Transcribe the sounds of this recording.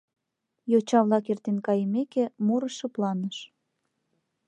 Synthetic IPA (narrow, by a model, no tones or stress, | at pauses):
jot͡ɕɑβlɑkert̪enkɑjəmekemuɾə̆ʃɤ̆plɑnəʃ